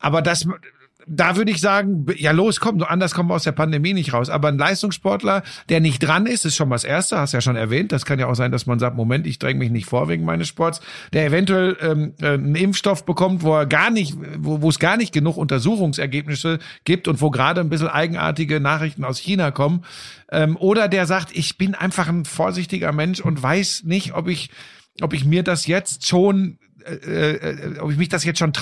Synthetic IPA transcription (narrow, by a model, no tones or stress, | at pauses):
ʔaːbɐdas | d̥aːvʏɐɾəɪçz̥aːɡŋ̩bjaːloːskʰɔmoʔandɐskʰɔmənaʊsd̥eːɐpandemiːnɪçtʁaʊsʔa̰ːbɐn̩laɪstʊŋsʃpɔɐtlɐd̥eːɐnɪçt̚d̥ʁanɪstɪstʃoːnmasʔḛːɐstəhastujaːʃoːnɛ̰ɐvɛːnt̚d̥askʰanjaaʊxz̥aɪndasmanzaːk̚tmomɛntɪçd̥ʁɛŋəmɪçnɪçtfoːɐveːɡŋ̩ma̰ɪnəsʃpɔɐtsd̥eːɐevɛntuɛlʔɛːmʔɛːənɪmfʃtɔfb̥əkʰɔmtv̥oːɛɐɡaːɐnɪçtvovoːɛsɡ̥aːɐnɪçt̚ɡ̥ənuːxʔʊntɐzuːxʊŋsɛɐɡeːp̚nɪsəɡ̥iːp̚tʊntv̥oːɡʁaːdənbɪs̬l̩ʔa̰ɪɡŋ̩ʔa̰ːɐtɪɡənaːχʁɪçtn̩aʊsçiːnakʰɔmənʔɛːmʔoːɾɐdeːɐzaːk̚tʔɪçb̥ɪnʔa̰ɪnfaχn̩foːɐzɪçtɪɡɐ̰mɛnʃʊntv̥aɪsnɪçtʔɔpɪç | ʔɔpɪçmiːɐdasjɛt͡stʃoːn | ɛɛːʔɔ̰pɪçmɪçd̥asjɛt͡stʃoːnt